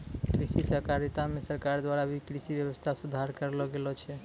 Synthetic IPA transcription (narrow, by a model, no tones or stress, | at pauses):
kɾisisəkaɾit̪amesəɾkaɾd̪waɾabʱikɾisibjəbəst̪ʰasud̪ʱaɾkəɾlɔɡelɔt͡ʃʰɛ